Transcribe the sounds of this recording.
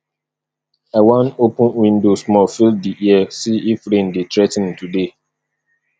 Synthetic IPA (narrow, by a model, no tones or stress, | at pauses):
awãnopʊ̃nwĩndosmɔlfild̚diʔiɛsiifɾĩnditɾɛtɪ̃ntude